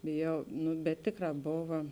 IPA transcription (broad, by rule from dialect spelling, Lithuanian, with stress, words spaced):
bʲeːˈjɛʊ ˈnʊ bʲɛt ˈtʲeːˌkrɑː ˈboːʋɐ